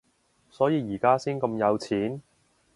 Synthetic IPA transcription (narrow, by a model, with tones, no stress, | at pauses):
sɔː˨˥jiː˨˧jiː˨˩kaː˥siː˥nkɐ˧mjɐ˨˧wt͡sʰiː˨˥n